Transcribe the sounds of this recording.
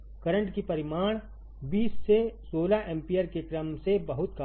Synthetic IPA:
kɐɾə̃ɳʈkipɐɾɪmaːɽ̃ | biːsːesoːlaʔɛ̃ːmpijəɾkekɾəmsebɐɦʊt̪̚ka

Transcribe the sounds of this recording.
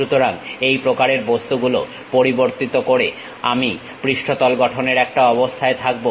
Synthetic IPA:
ut̪oɾaŋejpɾokaɾeɾbost̪uɡulo̰ | poɾiboɾt̪it̪okoɾe | a̰mi | pɾiʃʈʰot̪ɔlɡɔʈʰoneɾɛk̚ʈaɔbost̪ʰaet̪ʰak̚bo

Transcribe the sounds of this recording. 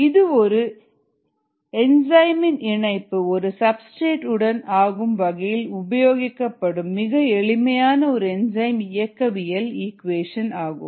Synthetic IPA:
ɪðɯɔɾɯ | ɛnd͡ʒɐɪmɪnɪɳɐɪpːɯɔɾɯsɐbsʈeːʈɯɽɐnaːɣɯmʋɐɣɐjɪlʊbɐjoːɣɪkːɐpːɐɽɯmːɪɣɐɛɭɪmɐjaːnɐɔɾɯɛnd͡ʒɐɪmɪjɐkːɐʋɪjɐliːkʋeːʂɐnaːɣɯ̰m

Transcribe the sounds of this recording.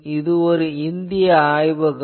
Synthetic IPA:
ɪðɯɔɾɯɪnd̪ɪjɐaːjʋɐɡ

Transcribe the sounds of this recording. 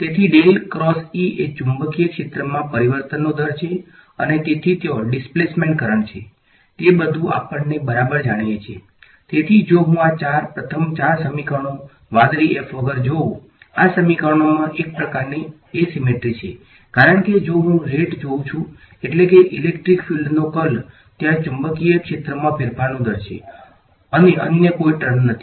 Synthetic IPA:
t̪et̪ʰiɖelkɾɔsiet͡ʃũmbəkijəkʃet̪ɾəmãpəɾiʋəɾt̪ənːod̪ʱəɾt͡ʃʰe | ə̰net̪et̪ʰit̪eoɖɪsplesmẽɳʈ̚kəɾəɳt͡ʃʰe | t̪ebəd̪ʱũa̰pəɳnebəɾabəɾd͡ʒaɽ̃jet͡ʃʰe | t̪et̪ʰid͡ʒoɦũat͡ʃaɾpɾət̪ʰəmt͡ʃaɾsəmikəɳ̃o | ʋãd̪ɾiefʰʋəɡəɾd͡ʒoũ | asəmikəɳomãʔek̚pɾəkaɾni | esimeʈɾit͡ʃʰḛ | kaɾəɳked͡ʒoɦũɾeʈd͡ʒoũt͡ʃʰũ | eʈlekeʔilekʈɾikfilɖnokəl | t̪jãt͡ʃumbəkiəkʃet̪ɾəmãpɪɾpʰanũd̪ʱəɾʃʰḛ | əneʔə̰njəkoiʈəɾmnət̪ʰi̥

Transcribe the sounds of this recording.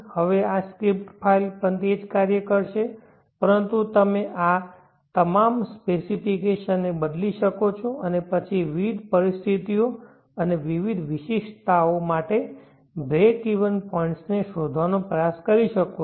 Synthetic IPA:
həʋeaskɾip̚ʈpʰailpənt̪ed͡ʒkaɾjəkəɾʃe | pəɾənt̪ut̪əmeʔa | t̪əmamspesipikeʃənːebəd̪liʃəkot͡ʃʰoʔənepət͡ʃʰiʋid̪ʱpəɾist̪ʰit̪ijo | əneʋiʋid̪ʱʋɪʃiʃt̪aomaʈe | bɾekiʋənpɔĩɳʈsneʃod̪ʱʋanopɾəjaskəɾiʃəko

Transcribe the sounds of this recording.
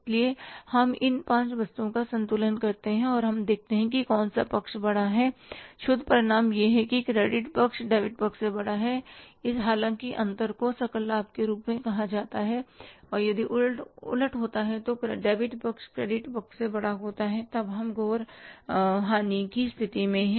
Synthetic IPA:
liehɐmɪnpãːt͡ʃʋɐst̪uõkasɐ̃nt̪uːlənkɐɾt̪eɦɛ̃ɔːɾɦɐmd̪eːk̚ʰt̪eɦɛ̃k̬ikɔːnsa̰pɐkʃbɐɽaɦɛːʃʊd̪ʱpɾɪɽaːmjeɦɛkikɾeːɖɪʈpɐkʃɖɛːbɪʈ̚bɐkʃsebɐɽaɦɛɪsɦaːlãːŋkiʔɐ̃nt̪əɾkosɐkəlːaːp̚keɾuːpmẽkɐɦad͡ʒaːt̪aɦɛɔːɾjɐd̪iʔʊlʈʊ̰ləʈɦoːt̪aɦɛ̃t̪oɖeːbɪʈpɐkʃkɾeːɖɪʈbɐkʃsebɐɽaɦoːt̪aɦɛt̪ɐbɦɐmɡoːɾ | ɦaːnikist̪ʰɪt̪imẽɦɛ̃ː

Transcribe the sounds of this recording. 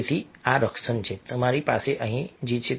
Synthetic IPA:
t̪ʰiaɾəksənt͡ɕet̪əmaɾipaseʔəɦĩd͡ʑit͡ɕʰe

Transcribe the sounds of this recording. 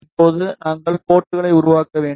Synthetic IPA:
ɪpːoːðɯnaːŋɡɐɭpoːʈːɯɣɐɭɐɪʊɾʊʋaːkːɐʋeːɳ

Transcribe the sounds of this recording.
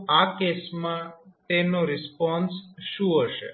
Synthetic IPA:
akesmãt̪enoɾɪspɔnsʃũɦəʃḛ

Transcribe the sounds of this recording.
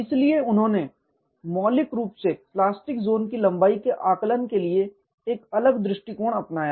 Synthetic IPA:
ɪslieʊnɦõːne | mɔːlɪkɾuːpseplaːsʈɪkzoːnkilɐ̃mbaːikeʔaːklənkelie | eːkɐləɡd̪ɾɪʃʈikoːɽ̃ɐpnaːja

